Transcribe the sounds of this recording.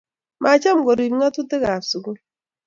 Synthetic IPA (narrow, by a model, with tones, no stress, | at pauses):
ma˨t͡ʃa˦m̩˨ɡo˨ɾi˨˦ŋa˦tu˦te˦ɣa˨su˨ɡu˦